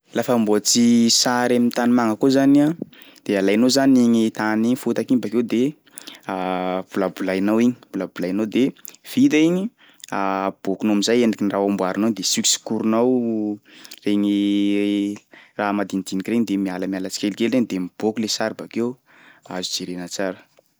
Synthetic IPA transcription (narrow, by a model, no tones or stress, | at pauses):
lafəmbot͡sisaɾemint̪animaŋəkozana | d̪̥ealajnozaniŋit̪aniɲifut̪akinbakewd̪e | b̥ulabulajnawiɲi̥b̥ulabulajanawd̪ev̥it̪aiɲi | ab̥okunoamizajenikiniraɦombwaɾinowd̪esyki̥si̥kuɾunaw | reŋi | ramad̪ind̪̥inikireɲid̪emialəmialət͡si̥kʲelikeleɲd̪emib̥okulesaɾibakew | a̰zud͡zeɾenat͡saɾə̥